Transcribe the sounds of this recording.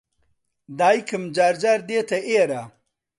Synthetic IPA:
d̪aːjkəmd͡ʒaːɾd͡ʒaɾd̪et̪ɐʔeɾa

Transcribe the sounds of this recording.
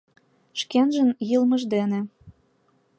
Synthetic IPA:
ʃkenʒə̆njɯlmə̆ʒd̪enĕ

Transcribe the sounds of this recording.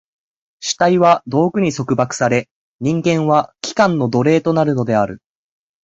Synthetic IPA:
ɕi̥t̪aiβad̪o̞ːkɯ̟ɲ̟iso̞kɯ̟bakɯ̟̥saɾe̞ | ɲ̟ĩŋɡẽ̞ɰ̃βakʲi̥kãnːo̞d̪o̞ɾe̞ːt̪o̞naɾɯ̟no̞d̪e̞aɾɯ̟

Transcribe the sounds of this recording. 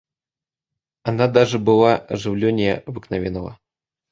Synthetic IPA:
anad̪aʐɨbɨlˠaʐɨwlʲɔnʲɛjɐbɨknavʲɛnɐvɐ̰

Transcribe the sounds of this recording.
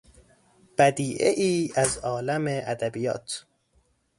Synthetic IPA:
b̥æd̪iːʔeʔiːæzɒːlæmeʔæd̪æbijɒ̰ːt̪ʰ

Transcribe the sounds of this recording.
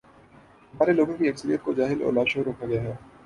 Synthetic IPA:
ɦɐmaːɾeloːɡõkiɐksəɾijət̪̚kod͡ʒaːɦɪlɔ̰ːɾlaːʃoːɾɦoːkʰaɡɐjaɦɛː

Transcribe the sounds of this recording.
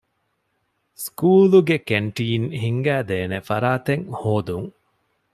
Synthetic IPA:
skuːluɡekeɳʈiːnhiŋɡæːd̪eːnefɐɾaːt̪eŋhoːd̪uŋ

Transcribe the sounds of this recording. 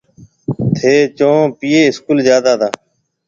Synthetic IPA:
t̪ʰeːt͡ʃõːpiːeːɪskuːlzjaːd̪aːd̪aː

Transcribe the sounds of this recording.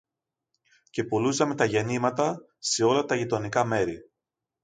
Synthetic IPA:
ce̞polusɐme̞t̪ɐʝe̞nimɐt̪ɐ | se̞o̞lɐt̪ɐʝit̪o̞nikɐme̞ɾi

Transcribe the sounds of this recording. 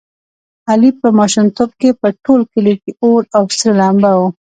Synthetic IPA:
alipəmɑʃʊmt̪ob̚kepəʈolkəleʈioɾawsɾelambawu

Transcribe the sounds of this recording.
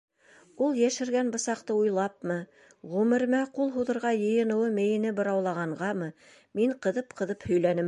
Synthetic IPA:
ulˠjæʃɘ̆ɾɡænbɤ̆sɑqt̪ɤujlˠɑp̚mɤ | ʁʉmɘ̆ɾmæqulˠɦuðɤ̆ɾʁɑjɤ̆jɤ̆nɤ̆wɤmɘ̆jɘ̆nɘbɤ̆ɾɑwlˠɑʁɑɴɢɑmɤ | miɴqɤ̆ðɤp̚qʰɤ̆ðɤphɵ̆jlænɘm

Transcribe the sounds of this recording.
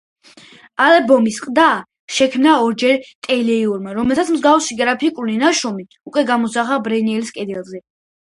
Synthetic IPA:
alɛbɔmisqʼd̪a | ʃɛkʰmnaɔɾd͡ʒɛɾt̪ʼɛlɛiuɾmaɾɔmɛlt̪ʰat̪sʰmzɡafsiɡɾapʰikʼulinaʃɔmi | ukʼwɛɡamɔsaχabɾɛniɛliskʼɛd̪ɛlˠzɛ

